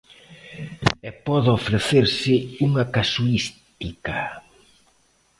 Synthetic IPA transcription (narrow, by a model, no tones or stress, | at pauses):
ɛpɔðofɾeθeɾsɪuŋakasuist̪ika